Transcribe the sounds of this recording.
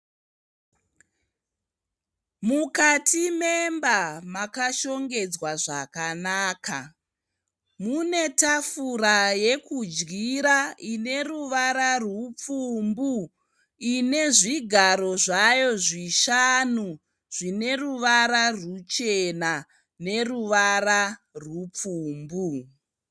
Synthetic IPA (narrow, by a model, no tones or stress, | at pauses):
mukatʰimembamakaʃo̞ŋɡe̞d͡zwaʐakanaːkʰa | mune̞tafuraje̞kud͡ʒɡiɾaine̞ruʋaɾarwup͡fumbu | ine̞ʐiɡʱaɾo̞ʐajo̞ʐiʃanu | ʐ̥ine̞ruʋaɾarut͡ʃe̞na | ne̞ruʋararwup͡fuːmbu